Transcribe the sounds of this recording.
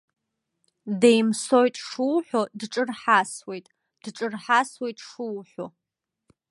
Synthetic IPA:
dejmsojtʼʂuwħʷᶣodʈ͡ʂʼɨrħaswe̞jtʼ | d̥ʈ͡ʂʼɨrħaswe̞jtʼʂɨwħʷo

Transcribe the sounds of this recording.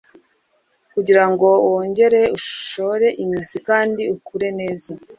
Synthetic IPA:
kuɟiɾaŋɡo̞oːɲɟe̞ɾe̞uʃoɾe̞ʔimizikaːndiukuɾe̞ne̞ːza

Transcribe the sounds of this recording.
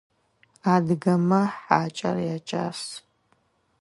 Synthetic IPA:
aːdɨɡɐmɐħaːt͡ʃʼɐ̰rjaːt͡ʃʼa̰ːs

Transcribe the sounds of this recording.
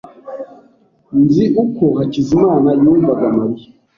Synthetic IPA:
nziʔukɔhat͡ʃizimaːnajuːɱvaɡamaɾi

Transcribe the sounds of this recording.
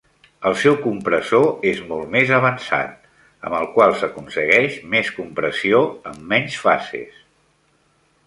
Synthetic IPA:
əlˠsɛwkumpɾəzoezmɔlˠtmezəβ̞ənsa̰t̪̚ | ə̰məlˠkwalˠsəkunsəɣɛʃmeskumpɾəsioə̰mːɛɲsfa̰sḛs

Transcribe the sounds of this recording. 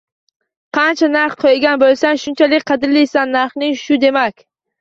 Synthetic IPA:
qʰɑnt͡ʃʰanaɾχqʰojɡʲanbolˠsaŋʃʊnt͡ʃʰalɪkʲqʰɑd̪ɪɾlijsanːaɾχnɪŋʃʊd̪e̞makʲ

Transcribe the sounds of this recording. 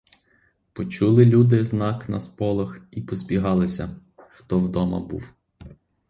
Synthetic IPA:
pɔt͡ʃulˠɪlʲud̪ɪznɑknɐspɔlˠɐxipɔzʲbʲiɦɑlˠɪsʲɐ | xt̪ɔwd̪ɔmɐ̰bṵw

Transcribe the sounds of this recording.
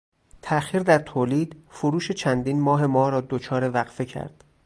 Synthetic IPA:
t̪ʰæʔxiːɾd̪æɾt̪ʰoːliːd̪̥foɾuːʃe̞t͡ʃʰænd̪iːnmɒːɦe̞mɒːɾɒːd̪ot͡ʃʰɒːɾevæɣfe̞cʰæ̰ɾd̪̥

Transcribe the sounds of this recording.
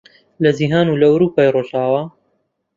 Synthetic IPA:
lɐziɦaːnulɐwɾuːpaːjroʒaːwaː

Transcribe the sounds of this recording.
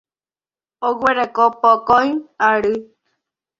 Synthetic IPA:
oɡweɾakopokojaɾɨ

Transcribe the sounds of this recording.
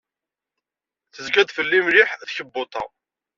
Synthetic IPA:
θəzɡæd̪fəlːimlɪħθçəbːot̪ˤɑ̰ʁ

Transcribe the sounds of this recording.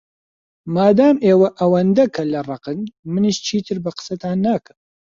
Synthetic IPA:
maːd̪aːmeːwɐʔɐwɐnd̪ɐkʰɐlɐrˤɑqɨnmɨniʃt͡ʃʰiːt̪ʰɨɾbɐqə̥sɐt̪ʰaːnːaːkʰɨm

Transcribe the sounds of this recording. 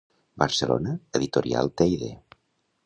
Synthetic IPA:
bəɾsəlo̰nəeðit̪oɾia̰lˠt̪ejðḛ

